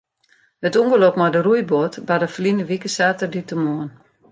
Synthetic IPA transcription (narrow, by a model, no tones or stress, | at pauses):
hətuŋɡəlokmadərujbotbadəfərlinəʋikəsaːtərditəmoən